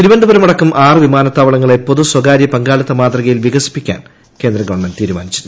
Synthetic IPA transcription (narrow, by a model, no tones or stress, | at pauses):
t̪iɾubɐnd̪ɐbɐɾɐmɐɽɐkːumʔaːrɨʋimaːnɐt̪ːaːʋɐɭɐŋːɐɭepːoðuswɐɡaːɾjɐpɐŋɡaːɭɐt̪ːɐmaːt̪rɐɣɐjilʋiɣɐsi̥pːikʲːa̰ːn | ke̞ːnd̪rɐɡɐʋɐɳmɐndt̪iːɾuma̰ːnit͡ɕːunː